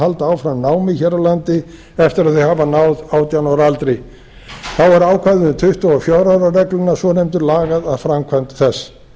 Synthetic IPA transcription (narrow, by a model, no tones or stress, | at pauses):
alt̪aːwfɾanaːwmɪçɛɾalant̪ɪ | ɛft̪ɪɾaðθɪhaːvanaːwðaːwt̪janɔɾalt̪ɾej | θawɛɾaːwkʰvajðɪʏmt̪ʰʏht̪ɔafjɔwɾaːwɾarɛklʏnːasvɔnɛjmt̪ʏɾlaːɣaðaðfɾamkʰvant̪θɛsː